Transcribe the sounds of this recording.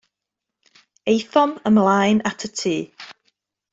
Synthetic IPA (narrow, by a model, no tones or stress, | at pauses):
ejθɔməmlˠajnatʰətʰiː